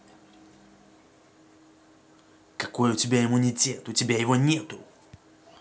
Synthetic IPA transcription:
kɐkojʊtʲɪbʲaɪmʊnʲɪtʲet̪ʊtʲɪbʲajɪvonʲet̪ʊ

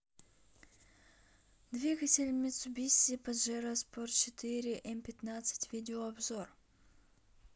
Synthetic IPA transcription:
d̪vʲiɡətʲɪlʲmʲɪt̪sʊbʲisʲɪpɐd̪ʐɛɾɐsport̪t͡ɕɪt̪ɨɾʲɪʔɛmpʲɪt̪nat̪sɨ̥tʲvʲidʲɪoɐbzo̞r

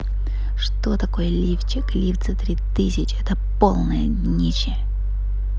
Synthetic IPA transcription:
ʂt̪o̞t̪ɐko̞jəlʲift͡ɕɪklʲift̪sət̪ɾʲit̪ɨsʲɪt͡ɕɪɛt̪əpo̞lˠnəjədʲnʲit͡ɕɪ

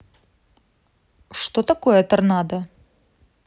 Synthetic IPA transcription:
ʂt̪ot̪ɐkojɛt̪ɐrnɑd̪ə

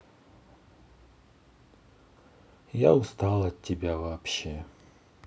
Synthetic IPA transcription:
ja̰ʊst̪alˠɐtʲːɪbʲavɐːpɕe

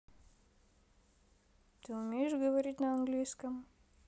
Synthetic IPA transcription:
t̪ɨʊmʲejɪʂɡəvɐɾʲit̬̚ʲnəɐnɡlʲijskəm

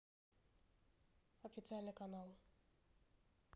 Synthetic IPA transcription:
ofʲit̪sɨalʲnəkanalˠ

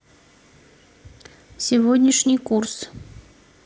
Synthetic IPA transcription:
sʲɪvod̪ʲnʲɪʂnʲijkurs

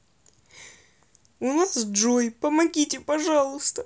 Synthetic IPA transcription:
unasdʐojpəmɐɡʲitʲɪpɐʐalˠʊst̪ə

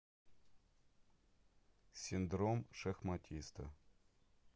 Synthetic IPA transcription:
sʲind̪ɾomʂɐxmɐtʲʰist̪ɐ̰

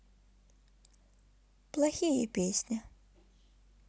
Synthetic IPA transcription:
plˠaxʲijɛpʲesʲnʲi

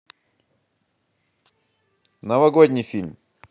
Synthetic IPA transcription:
nəvɐɡodʲnʲijfʲilʲm

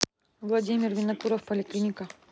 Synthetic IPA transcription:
vlˠɐdʲimʲɪrvʲɪnɐkuɾəfpəlʲɪklʲinʲɪkɐ

